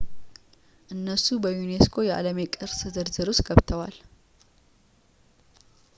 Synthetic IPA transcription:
ʔɨnːəsubəjune̞skʰo̞jɛʔa̰ləme̞kʼɨɾsɨzəɾzɨɾost̪ɡ̥əβt̪ʰəwal

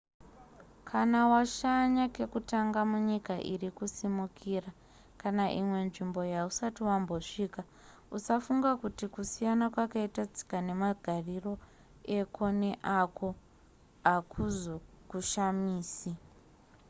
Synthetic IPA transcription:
kʰanawaʃaɲake̞kutaŋɡamuɲikaʔirikusimukʰiːra | kanaʔimwe̞nʐimbo̞jausatiwambo̞ʂiːka | usafuŋɡakutikusijanakwakaitad͡zikane̞maɡʱariro̞ | e̞kʰone̞ʔako̞ | akʰuzo | kuʃamiːsi

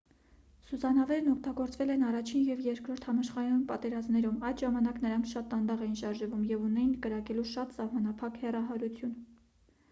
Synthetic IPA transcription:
suzɑnɑvɛɾnɔkʰt̪ɑɡɔɾt͡svɛlɛnɑrɑt͡ʃʰinjɛvjɛɾkɾɔɾt̪ʰhɑmɑʃχɑɾɑnpɑt̪ɛɾɑzmnɛɾumɑjd̪ʒɑmɑnɑknəɾɑŋkʰʃɑt̪ːɑnd̪ɑʁɛjinʃɑɾʒəvumjɛvunɛjinkəɾɑkɛluʃɑt̪sɑhmɑnɑpʰɑkhɛrɑɦɑɾut͡sʰjun

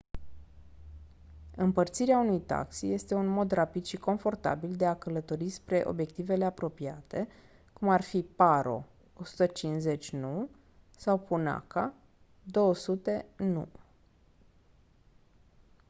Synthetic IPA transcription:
ɨmpərt̪siɾeaunujt̪a̰ksije̞st̪e̞unmo̞d̪rapid̪ʃiko̞nfo̞rt̪a̰bild̪e̞akələt̪o̞ɾispɾe̞ʔo̞̰bje̞k̚t̪ive̞le̞apɾo̞piat̪e̞ | kumarfipaɾo̞̰ | osu̥t̪ət͡ʃinze̞t͡ʃʲnu | sawpuna̰ka | d̪o̞wəsut̪e̞nṵ

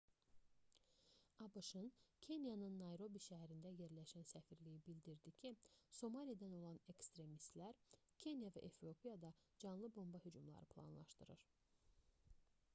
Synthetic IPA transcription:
ɑbɯʃɯncʰe̞njɑnɯnːɑjɾo̞biʃæɦæɾind̪æje̞ɾlæʃænsæfiɾlijibild̪iɾd̪icʰiso̞mɑlʲijad̪æno̞lˠɑne̞kst̪ɾe̞mist̪læɾ | cʰe̞njavæ̰ʔefɾio̞pijɑd̪ɑd͡ʒɑnlˠɯbo̞mbɑhyd͡ʒumlˠɑ̰ɾɯpʰlˠɑ̰nlˠɑ̰ʃt̪ɯɾɯɾ̥

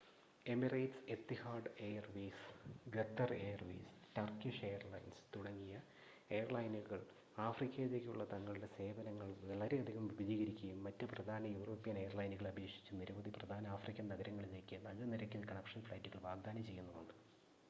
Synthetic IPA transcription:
e̞mirɐjʈse̞t̪ːihaːrɖe̞jɐrʋiːsɡet̪ːɐrejɐrʋḭːstɐrkːiʂeːjɐrlɐ̰jnst̪uɽɐŋːijɐ | e̞jɐrlɐjnuɣɐɭ | aːfrikʲːɐjilekʲːɨṵɭːɐt̪ɐŋːɐɭɨɽe̞se̞ːbɐnɐŋːɐɭɐlɐɾeɐd̪ʱiɣɐmʋibɐd͡ʑiːɣɐɾikʲːɐjumːɐtːɨprɐd̪ʱaːnɐjuːroːpːijɐne̞jɐrlɐjnuɣɐɭɐbʱe̞ːkʂi̥t͡ɕːuniɾɐbɐd̪iprɐd̪ʱaːnɐaːfrikʲːɐnnɐɣɐɾɐŋːɐɭile̞kʲːɨnɐlːɐniɾɐkʲːinːkɐɳɐkʂɐnfɭɐjtːuɣɐɭʋaːɡ̚d̪aːnɐt͡ɕe̞jːunːɐðuɳɖɨ

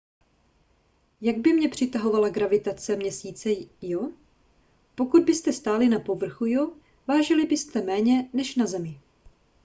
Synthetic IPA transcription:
jaɡ̚bɪmɲɛpr̝̥ɪt̪aɦo̞valaɡɾavɪt̪at͡sɛmɲɛsiːt͡sɛjo | po̞kud̪̚bɪst̪ɛst̪aːlɪnapo̞vr̩xujo̞ | vaːʒɪlɪbɪst̪ɛmɛːɲɛnɛʃnazɛmɪ

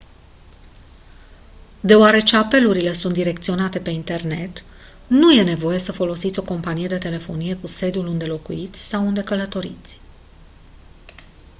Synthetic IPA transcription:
d̪e̞oaɾe̞t͡ʃe̞ape̞luɾile̞sunt̪d̪iɾe̞kt̪sio̞nat̪e̞pe̞int̪e̞rne̞t̪ | nuje̞ne̞vo̞je̞səfo̞lo̞sit̪sʲo̞ko̞mpanije̞d̪e̞t̪e̞le̞fo̞nije̞kuse̞d̪iulund̪e̞lo̞kuit̪sʲsawund̪e̞kələt̪o̞ɾḭt̪sʲ

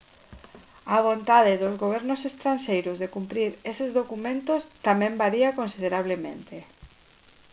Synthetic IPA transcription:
aβ̞ont̪aðɪðozɣoβ̞ɛɾnʊsest̪ɾanʲʃejɾʊzðekumpɾiɾesɪzðokumẽnt̪ost̪amɛ̃mbaɾiakonsið̞eɾaβ̞lemḛ̃nt̪e

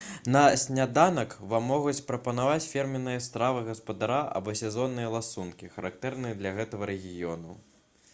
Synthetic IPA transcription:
nɐsʲnʲad̪anɐkvamːɔɣut͡sʲpɾɐpɐnavat͡sʲfʲɛrmʲɪnːɨjɐst̪ɾavɨɣɐspɐd̪aɾaʔɐ̰bɔsʲɛzɔnːɨjɐlˠasunkʲixɐɾak̚t̪ɛɾnɨjɐd̪lʲɐɣɛt̪ɐɣɐɾɛɣʲijɔnu

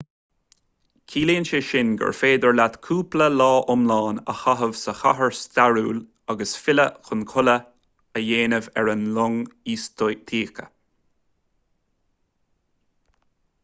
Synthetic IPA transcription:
kʰiːliːnʃəʃɪnɡə̰ɹfeːd̪əɹlat̪kʰuːpləlɑːʔʊmlɑːnə̰xaɦəvsəxaɦəɹst̪aɹuːl | aɡəsfɪləxʊnkʰʊlə | əjeːnəvɛɹənlʊŋiːstt̪ʰiːkə

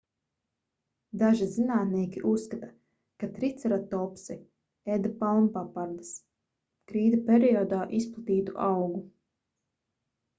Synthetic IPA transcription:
d̪aʒizinaːt̪niɛkʲiʔusːkat̪ḁ | kat̪ɾit̪saɾat̪ɔpsi | ed̪apalˠnpapaɾd̪as | kɾiːd̪apʲeɾiɔd̪aːʔisplˠat̪iːt̪uʔawɡu

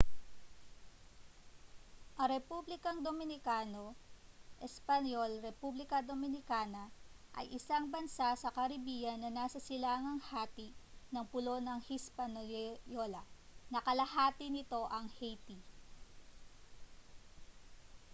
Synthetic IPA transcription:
ʔɐɾɛpublɪkɐŋd̪omɪnɪkaːnoʔɛspɐnjolɾɛpublɪkɐd̪omɪnɪkaːnɐʔɐ̰jʔɪsaŋbɐnsasɐkɐɾɪbiːjɐnːɐnaːsɐsɪlaːŋɐŋhaːt̪inɐŋpʊlo̞nɐŋhispɐnjolɐnɐkɐlɐhaːt̪ɪnɪt̪o̞ʔɐŋhejt̪i

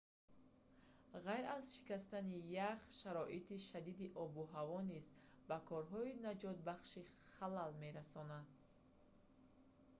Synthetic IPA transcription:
ʁajɾazʃi̥kast̪anijaχʃaɾɔʔit̪iʃad̪id̪iʔɔbuɦavɔniz | bakʰɔɾɦɔinad͡ʒɔt̪̚baχʃiχalalme̞ɾasɔnad̪̚

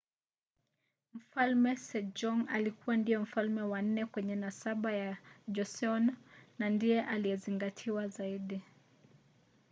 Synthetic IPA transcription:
m̩falmɛsɛd͡ʒɔŋa̰likuwandijɔm̩falmɛwan̩ːɛkwɛɲɛnasaɓajad͡ʒɔsɔnanandijɛʔalijɛziŋɡatʰiwazaiɗi

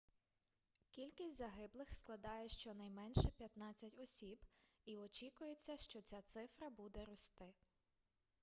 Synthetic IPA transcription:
kʲilʲkʲisʲtʲzɐɦɪblˠɪxsklˠɐd̪ɑjɛʃt͡ʃɔnɐjmɛnʃɛpʲjɐt̪nɑt͡sʲːɐtʲɔsʲib | iɔt͡ʃʲikʊjet͡sʲːɐʃt͡ʃɔt͡sʲat̪sɪfɾɐbud̪ɛɾɔst̪ɪ

